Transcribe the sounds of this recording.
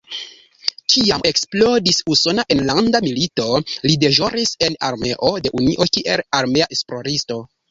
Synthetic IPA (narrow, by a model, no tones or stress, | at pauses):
t͡ʃiame̞ksplo̞disuso̞naʔe̞nlandamilito̞lide̞ʒo̞ɾise̞naɾme̞ʔo̞de̞ʔuniʔo̞kiʔe̞laɾme̞aʔesplo̞ɾisto̞